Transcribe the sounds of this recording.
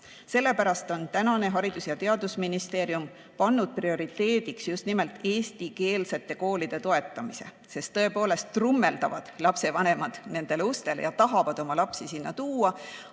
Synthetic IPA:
se̞lːe̞pæɾɑst̪o̞nt̪ænɑne̞ɦɑɾid̪̥usjɑt̪e̞ɑd̪usminist̪e̞ːɾjum | pɑnːud̪̥̚prio̞ɾit̪e̞ːd̪̥iksjust̪nime̞lt̪ːˑe̞ːst̪ike̞ːlse̞t̪ːˑe̞ko̞ːlid̪̥e̞t̪o̞e̞t̪ːˑɑmise̞̰ | se̞st̪ːɤ̞e̞po̞ːle̞st̪rumːe̞ld̪ɑvɑd̪̥lɑpse̞vɑne̞mɑd̪̥ne̞nd̪̥e̞leust̪e̞lejɑt̪ɑɦɑvɑd̪̥o̞mɑlɑpsisinːɑt̪uːɑ

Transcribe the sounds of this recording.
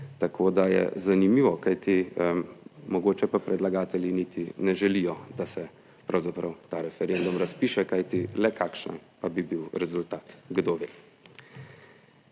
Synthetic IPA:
t̪akʰoːd̪ajɛ̰zanimiʋɔkajt̪i | mɔɡoːt͡ʃɛpapɾɛd̪laɡaːt̪ɛlʲjinit̪inɛʒɛlijɔd̪asɛ | pɾawzapɾɐwt̪aːɾɛfɛɾend̪umɾaspiːʃɛkajt̪ilɛkaːkʃna̰npabibiwɾɛzult̪aːt̪ɡd̪oʋeː

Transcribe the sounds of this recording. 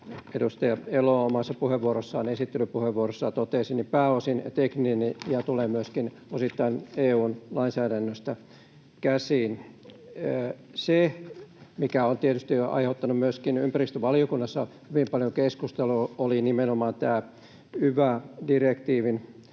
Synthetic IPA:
edust̪ɑjɑeloomɑsːɑpuheʋːuorosːɑɑnesit̪ːelypuheʋʋuorosːɑt̪ot̪eːˑsinːipæːosint̪ekninjɑt̪ulemyøskin | osit̪ːɑineːuːnlɑinsæːdænːøst̪æ | kæsiːn | se | mikæont̪iet̪yst̪iɑ̰iheut̪ːɑnummyøskinympærist̪øʋɑlijokunːɑsːɑhyʋimpɑljoŋkeskust̪eluolinimenomɑːnt̪æː | yʋædirekt̪iːʋin

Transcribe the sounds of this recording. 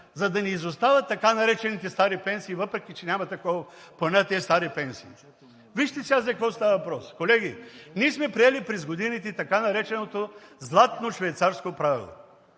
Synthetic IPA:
zɐd̪ɐnɛizost̪avɐt̪ːɐkanɐɾɛt͡ʃɛnit̪ɛst̪aɾipɛnsiːvɤpɾɛkʲit͡ʃɛnʲamɐt̪ɐkɔvɐpɐnət̪ɛst̪aɾipɛnsiː | viʃt̪ɛsiazɐkɐkvɔst̪avəvɐpɾɔskolɛɡʲiniɛsmɛpɾiɛlipɾɛzɡod̪init̪ɛt̪ɐkanɐɾɛt͡ʃɛnot̪ozlˠat̪noʃvɛjt̪saɾskopɾavḭlˠo̰

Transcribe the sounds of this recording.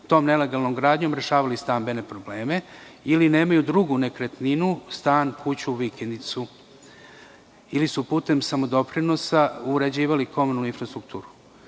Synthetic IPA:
t̪o̞ːmne̞le̞ɡalno̞mɡɾaːd̪ɲo̞mɾe̞ʃaːʋalist̪ambe̞nepɾo̞ble̞ːme̞iline̞ːmajud̪ɾuɡune̞kɾet̪ninust̪aːnkut͡ɕuːʋikend̪it̪su | ilisupuːt̪e̞msamo̞d̪o̞pɾino̞sauɾed͡ʑiːʋaliko̞munuuinfɾast̪ɾukt̪uːɾu̥

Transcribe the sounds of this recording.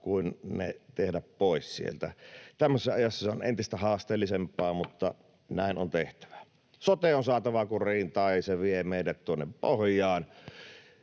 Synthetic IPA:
kuinnḛt̪ehdæppoˑessḭḛlt̪æt̪æmːøsesːɑɑjɑsːɑseonʔent̪ist̪æhɑːst̪eːlːisempːˑɑːmut̪ːɑ | næˑinont̪eht̪æ̥ʋæ̥ | sot̪eonsɑːt̪ɑʋɑkuriːnt̪ɑːɑseʋiemeˑiɾæt̪t̪uonːeppo̰hjˑɑːn

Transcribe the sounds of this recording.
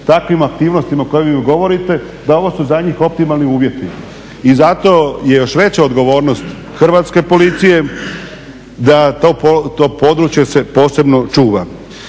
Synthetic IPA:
t̪akʋimak̚t̪iːʋnost̪imaoko̞jeʋiiɡo̞ʋo̞ɾit̪e̞ | d̪ao̞ʋo̞suzaɲiːxo̞p̚t̪imalˠniuːʋje̞t̪i | izat̪o̞je̞jo̞ʃʋe̞t͡ɕaod̪ɡo̞ʋo̞ːɾno̞st̪ | xr̩ʋaːt̪ske̞po̞lit̪sije̞ | d̪at̪opot̪opo̞d̪ɾut͡ʃjese̞po̞ːse̞bno̞t͡ʃuːʋa

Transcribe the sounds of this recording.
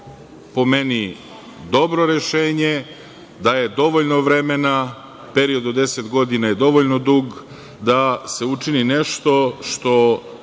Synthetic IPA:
po̞meni | d̪o̞bɾo̞ɾe̞ʃeːɲe | d̪aje̞d̪o̞ʋoʎnoʋɾemena | pe̞ɾio̞d̪od̪e̞set̪ɡo̞d̪inaje̞d̪o̞ʋoʎnod̪uːɡ | d̪ase̞ut͡ʂinine̞ʃt̪o̞ʃt̪o̞

